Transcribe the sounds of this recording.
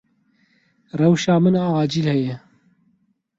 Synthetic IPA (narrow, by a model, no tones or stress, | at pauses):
rɛwʃɑːmɨnɑːɑːd͡ʒiːlhɛjɛ